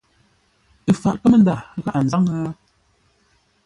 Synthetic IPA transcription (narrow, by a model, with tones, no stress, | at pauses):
ə˨fa˨ʔkə˦mə˦n˦da˦˨˦ɣa˨ʔa˨n̩˨za˦ŋa˦